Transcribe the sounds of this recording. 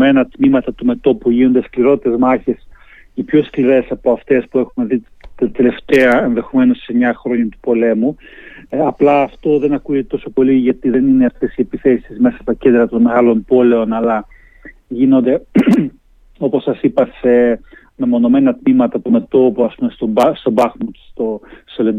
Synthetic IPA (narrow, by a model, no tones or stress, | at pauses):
me̞nɐt̪mimɐt̪ɐt̪ume̞t̪o̞puʝino̞nd̪eskliɾo̞t̪it̪e̞zmɐçe̞s | ipço̞skliɾe̞sɐpo̞ɐft̪e̞spue̞xumeðit̪ɐt̪e̞le̞ft̪e̞ɐe̞nðe̞xo̞me̞nosseɲɐxɾo̞ɲut̪u̥po̞le̞mu | ɐplɐːft̪o̞ðe̞nɐkujet̪o̞so̞po̞liʝɐt̪iðe̞nineɐft̪e̞sie̞piθe̞sizme̞sɐst̪ɐcnd̪ɾɐt̪o̞nme̞ɣɐlo̞mpo̞le̞o̞nɐlɐ | ʝino̞nd̪e̞ | o̞po̞sɐsipɐse̞ | nɐmo̞no̞me̞nɐt̪mimɐt̪ɐt̪ome̞t̪o̞poɐspume̞st̪oɐst̪o̞bɐxmoce̥st̪ost̪olend̪